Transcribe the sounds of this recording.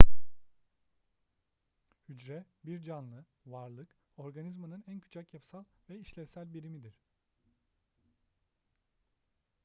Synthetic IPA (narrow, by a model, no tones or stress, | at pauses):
hyd͡ʒɾɛbiɾd͡ʒanlˠɯ | vaɾlˠɯk | o̞ɾɡanizmanɯnæncʰy̥t͡ʃʰacjapsalˠvɛiʃlʲɛsælʲbiɾimid̪iɾ̥